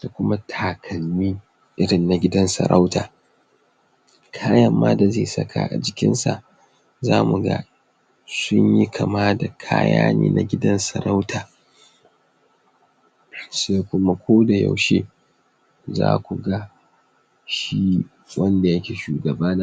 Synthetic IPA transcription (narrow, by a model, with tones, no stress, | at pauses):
d̥a˨kʷʊ˦ma˦tʰaː˨kʰɐ˨lːiː˦ | ʔɪ˦ɽɪ˨nːa˨ɡʲɪ˦dɐ˦nsɐ̰˨ɾʔa˦wtaː˨ | kʰaː˦jɐ˦mːaː˦da˨ze˦˨sɐ˦kʰa̰˨ʔa̰˨d͡ʒɪ˨kʲɪ̰˦nsa̰˨ | zaː˦mu˨ɡa̰˦ | sʊ˦ɲji˦kʰɐ˨maː˦da˨kʰa̰ː˦ja̰ː˦nḛː˨nʔa˨ɡʲɪ˦dɐ˦nsɐ˨ɾa˦wtʰaː˨ | se˦kʷʊ˦ma˦kʷoː˦da˨ja̰˨wʃeː˦ | za̰ː˦kʷu˨ɡa˦ | ʃi˦ | wɐ˦nda˨jɐ˦kʲe˨ʃuː˨ɡɐ˨baː˦na˦